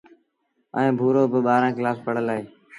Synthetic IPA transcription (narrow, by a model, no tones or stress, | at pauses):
ə̰ẽːbʱuːɾoːbəɓaːɾãːklaːspəɽ̤əlaːeː